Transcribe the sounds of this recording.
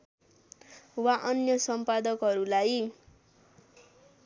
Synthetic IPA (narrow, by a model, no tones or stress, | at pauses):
waʔʌnjʌsʌmpad̪ʌkɦʌɾulaj